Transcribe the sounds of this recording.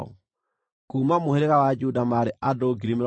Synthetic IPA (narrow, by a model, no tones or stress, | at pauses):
ɔ̰ | kuːmamoheɾeɣawad͡ʒudamaɾeʔadoːɡiɾime